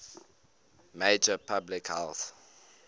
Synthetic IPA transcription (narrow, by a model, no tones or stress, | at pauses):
meɪd͡ʒəpʰablɪkhɛlθ